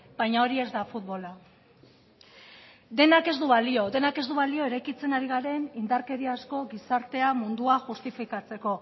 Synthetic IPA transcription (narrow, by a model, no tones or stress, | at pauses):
bajɲao̞ɾie̞zd̪afut̪βo̞la | d̪e̞nake̞zd̪uβalio̞d̪e̞nake̞zd̪uβalio̞e̞ɾajkit͡se̞naɾiɣ̞aɾe̞nind̪aɾke̞ðiasko̞ɣisaɾt̪e̞amund̪uaʝust̪ifikat͡se̞ko̞